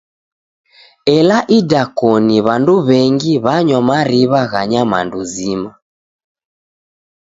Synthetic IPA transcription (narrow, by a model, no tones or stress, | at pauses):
ɛlaʔidakɔniβanduβɛŋɡiβaɲɔmaɾiβaɣaɲama̰nduzima